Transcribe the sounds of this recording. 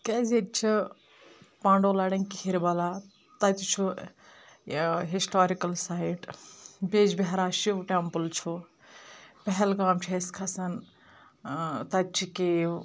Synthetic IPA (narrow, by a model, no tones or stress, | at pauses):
keːzʲet̪̚t͡ʃʰi | pãːɳɖoːlɐːɽɐŋkihiɾbɐlaː | t̪ɐt̪ʲut͡ʃʰu | ɦisʈoːɾikɐlsaːjʈbeːd͡ʒbeɦɾaːʃiʋʈempəlt͡ʃʰu | pɐɦɛlkaːmt͡ʃʰeskʰɐsɐn | t̪ɐt̪̚t͡ʃʰikeː